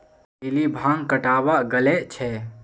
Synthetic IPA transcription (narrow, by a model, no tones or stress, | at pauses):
ɪlibʱãːŋkəʈaːbaʔɡəleʔt͡ʃʰɛ